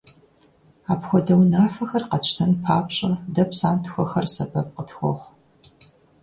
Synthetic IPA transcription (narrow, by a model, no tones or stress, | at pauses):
aːpxʷɔdɐwnaːfɐxɐrqɐt͡ʃʰʼtʰɐnpʰaːpɕʼɐdɐpsaːntʰxʷɔxɐrsɐbɐp̚qətʰxʷɔ̰ʁʷ